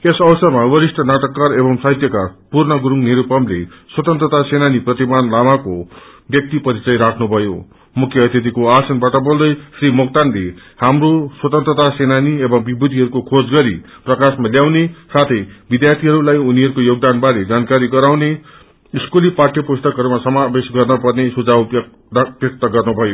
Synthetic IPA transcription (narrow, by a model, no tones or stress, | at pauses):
esʌwsʌrmawʌɾisʈʰʌnaʈʌkːarebʌmsaɦit̪jʌkapurnʌɡuɾuŋniɾupʌmle | swʌt̪ʌnt̪ɾrʌt̪asenaniprʌt̪imanlamako | bjʌk̚t̪ipʌɾit͡sʌjɾakʰnubʱʌjo̰ | mukʰːjʌʌt̪ʰjʌt̪ikoasʌnbaʈʌbold̪ʌjsrimʌk̚t̪anle | hamroswʌt̪ʌnt̪rʌt̪asenaniebʌ̃ŋbibud̪ʱiɦʌɾukokʰod͡zɡʌɾi | prʌkasmaljawnesat̪ʰʌjbid̪jart̪ʰiɦʌɾulajuniɦʌɾukojoɡ̚d̪anbaɾed͡zankaɾiɡʌɾawne | iskuliparʈjʌpost̪ʌkɦʌɾumasʌmabesɡʌrnʌpʌrnesud͡zaw | bjʌk̚t̪ʌɡʌrnubʱʌjo